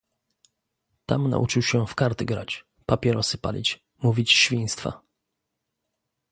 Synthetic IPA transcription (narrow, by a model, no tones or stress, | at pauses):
t̪amna̰ʔut͡ʂɨwɕɛfkaɾt̪ɘɡɾa̰t͡ɕ | papʲjɛɾɔsɨpalʲḭt͡ɕ | muvʲit͡ɕɕfʲij̃st̪fa̰